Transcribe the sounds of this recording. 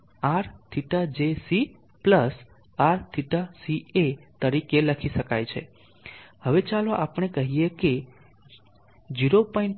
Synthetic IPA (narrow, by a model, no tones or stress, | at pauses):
aɾt̪ʰiʈad͡ʒesi | pləs | aɾt̪ʰiʈasiet̪əɾikeləkʰiʃəkajt͡ʃʰe | həʋet͡ʃaloʔapɳ̃ekəɦijeke | d͡ʒiɾopɔĩɳ